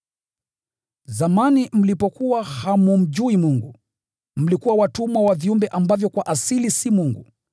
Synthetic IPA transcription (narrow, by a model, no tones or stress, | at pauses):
zamanim̩lipɔkuwahamum̩d͡ʒuimuŋɡu | m̩likuwawatumwawaviumbɛʔambavjɔkwaʔasilisimuŋɡu